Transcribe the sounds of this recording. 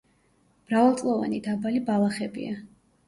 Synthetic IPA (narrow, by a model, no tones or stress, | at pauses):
mɾavalˠt̪sʼlˠɔva̰nid̪abalibalˠaχɛbḭa